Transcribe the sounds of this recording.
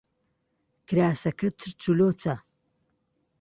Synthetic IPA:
kʰɾaːsɐkʰɐt̪ʰɨɾt͡sʰuloːt͡sʰa

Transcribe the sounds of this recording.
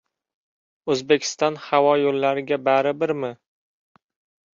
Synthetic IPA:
ɵzbekʲʰɪ̥st̪ɒnhavɒjolːaɾɪɡʲabaɾɪbɪɾmɪ

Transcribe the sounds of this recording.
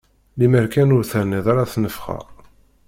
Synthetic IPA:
liməɾkænʊɾθəɾniðaɾaθnəfχə̰ʁ

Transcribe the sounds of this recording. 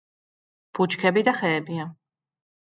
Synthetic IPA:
b̥ut͡ʃkʰɛbid̪aχɛːbia

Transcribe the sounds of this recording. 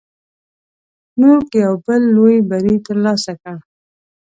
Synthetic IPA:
nukjawbəlːojibaɾit̪əɾlɑsaka

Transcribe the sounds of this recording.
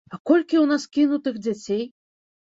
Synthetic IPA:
akɔlʲkʲiwnaskʲinut̪ɨxd͡zʲat͡sʲej

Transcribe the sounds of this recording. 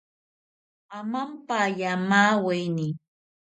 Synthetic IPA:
amampajamaːwajnɪ

